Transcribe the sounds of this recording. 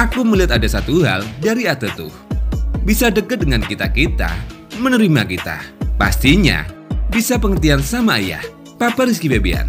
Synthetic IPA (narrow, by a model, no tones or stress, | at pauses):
ʔakuməliat̪adasat̪uɦa̰ldaɾiat̪ət̪ṵhbisadəkət̪̚dəŋankit̪akit̪a̰ | mənəɾimakit̪a̰pa̰st̪iɲa̰bisapəŋət̪iansamaːja̰h | papaɾɪskibabia̰n